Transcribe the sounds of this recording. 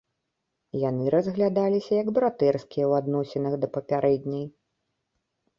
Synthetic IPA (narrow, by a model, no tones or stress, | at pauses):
janɨɾɐzɣlʲad̪alʲisʲɐjɐɡbɾat̪ɛrskʲijɐwad̪nɔsʲɛnɐɣd̪ɐpɐpʲaɾɛd̪ʲnʲɐj